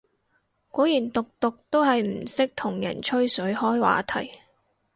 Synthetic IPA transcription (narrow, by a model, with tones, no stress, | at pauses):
kɔː˨˥jiː˨˩nt̪ʊ˨k̚t̪ʊ˨k̚t̪o˥wɦɐ˨jm̩˨˩sɪ˥k̚t̪ʰʊ˨˩ŋjɐ̰˨˩nt͡ʃʰɵ˥ɥsɵ˨˥ɥhɔː˥jwa̰ː˨˥t̪ʰɐ˨˩j